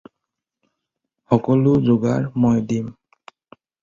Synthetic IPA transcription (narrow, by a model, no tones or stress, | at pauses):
xɔkɔlʊzoɡaɹmojdim